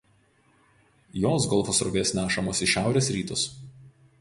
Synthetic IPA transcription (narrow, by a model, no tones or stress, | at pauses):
joːs̬ɡɔlˠfɔsɾɔʋʲeːsʲnʲæːʃɐmoːsʲɪʃʲæˑʊɾʲeːsɾʲiːt̪ʊs